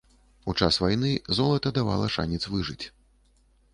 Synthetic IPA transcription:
ut͡ʂasvajnɨzɔlˠɐt̪ɐd̪ava̰lˠɐʂa̰nʲɛt̪svɨʐɨt͡sʲ

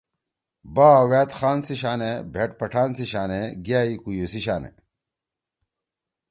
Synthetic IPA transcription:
baːweːt̪xaːnsiɕaːnebʱeʈpɐʈʰaːnsiɕaːneɡaːikujusiɕaːnḛ

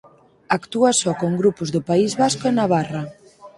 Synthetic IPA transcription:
akt̪uasɔkoŋɡɾupʊzðʊpaizβaskʊenaβ̞arɐ

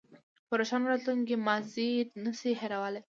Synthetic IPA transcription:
pəɾoʃɑnoɾɑt̪luŋkemazid̪nəsiɦeɾawale

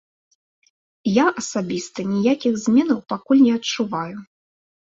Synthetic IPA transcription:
jaʔɐsabʲist̪ɐnʲijakʲixzʲmʲɛnɐwpakulʲnʲɛɐt͡ʂuvaju

